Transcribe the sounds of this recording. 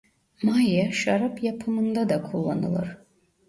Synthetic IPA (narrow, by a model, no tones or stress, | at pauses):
majaʃaɾapʰjapʰɯmɯnd̪ad̪akʰulˠːa̰nɯ̰lˠɯ̰ɾ